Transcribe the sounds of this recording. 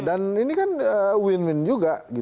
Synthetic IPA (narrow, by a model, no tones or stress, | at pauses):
daninikanəwɪnwɪnd͡ʒuɡaɡi